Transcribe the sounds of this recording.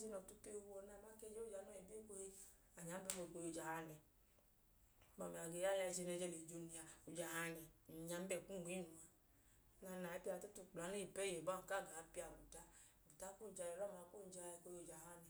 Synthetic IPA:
zi˦nɔ˨tu˧pe˦˧hu˧˦o˧˦na˧˨ma˦ke˦˧˦d͡ʒe˦o˦˨d͡ʒa˨nu˦e˨bi˦o˦˨ko˧he˧ | a˨ɲa˨˦m˦bɛ˦ko˧˨ko˧jd͡ʒa˨ha˧nɛ˨ | ba˧˨mi˨a˨ɡe˨˦ja˦ja˧i˧˨zi˧ne˧˨d͡ʒɛ˧le˨d͡ʒo˧ni˧a˨u˨d͡ʒa˨ha˧nɛ˨ɲa˧˦m˦bɛ˦˨ku˦˨i˨˦nu˨a˨˦ | na˧na˨ɛ˦pi˦a˧˨ta˦tu˧˨k͡pla˨˦ne˦i˨pɛ˦je˨ba˦˨ka˦˨ɡa˨˦pi˦a˨bu˨ta˦˨ | bu˨ta˦ku˦˨d͡ʒa˧je˨ɾɔ˦˨ma˨kuo˦˨d͡ʒa˧˨˦ko˧jo˨d͡ʒa˨ha˦nɛ˨

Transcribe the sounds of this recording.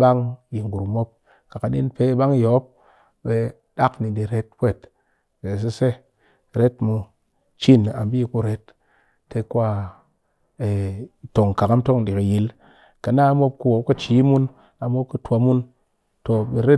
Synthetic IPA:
ɓa˦ŋji˨ŋɡu˨ɾu˨mo˦p̚ | ka˨ka˨ɗḭ˦npe˧˦ɓa˦ŋ˦jo˨˦p̚ | ɓe˧ | ɗa˦kni˨di˨ɾe˧t̚kʷe˦˨t | e˨s̬e˦se˦ | ɾe˦tmu˧ | t͡ʃi˦˨na̰˨m˦bi˦ku˧ɾe˨˦tː | e˧kʷa˦ | e˨to˨ŋ˨ka˨ka˦m˦to˦ŋ˨di˨ki˨ji˧l | ka˨na˦mo˦p̚ku˧˦wo˨˦ka˦t͡ʃi˨˦mu˦n | a˨mo˦p̚ku˧˦tʷo˨˧mu˦n | to˨ɓe˧ɾe˦

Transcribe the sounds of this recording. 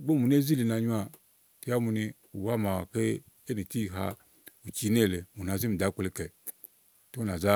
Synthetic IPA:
ɡ͡bo˦mu˨n˦e˦zi˦li˨˧na˧˨ɲu˦a˨ | ti˨˦ja˦mu˧ni˧ | u˨wa˦˨ma˨wa˨ke˦ | e˦ni˨ti˦˨ɦa̰˧ | u˨t͡ʃi˧˦ne˦˨le˨mu˨na˨zi˦m̩i˨da˨˦ke˧le˧kɛ˨ | to˦n˨a˨za˦

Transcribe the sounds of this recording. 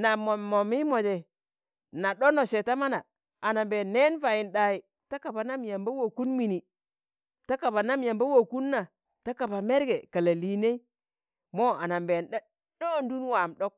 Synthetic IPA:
na˨mo˨o˨mi˦mo˨de˨ | na˨ɗo˦no˨se˨ta˦ma˦na˨ | a˨na˨mbe˨nːe˦nfa˨ji˨nɗa˨i˨ | ta˦ka˨ba˨na˦mja˨mba˦wo˨ku˦nmi˨ni˨ | ta˦ka˨ba˨na˦mja˨mba˦wo˨ku˦nːa˨ | ta˦ka˨ba˨me˦ɾɡe˨ka˨la˨li˨ne˦i˦ | mo˦a˨na˨mbe˨nɗa˦ | ɗo˦˨n˦du˦nwa˨mɗo˦k̚

